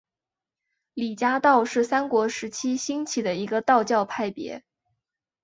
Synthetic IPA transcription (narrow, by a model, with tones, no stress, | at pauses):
li˨˩t͡ɕja˥t̪ɑ˥˧ʊʂɻ̩˥˩sa˥nkwɔ˧˥ʂɻ̩˧˥t͡ɕʰi˥ɕi˥ŋt͡ɕʰi˨˩d̪ə˦i˧˥ɡə˧t̪ɑ˥˧ʊt͡ɕjɑ˥˧ʊpʰa˥˩ɪpjɛ̰˧˥